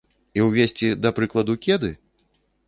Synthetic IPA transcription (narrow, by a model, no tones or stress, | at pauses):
iwvʲesʲt͡sʲid̪ɐpɾɨklˠɐd̪ukʲɛd̪ɨ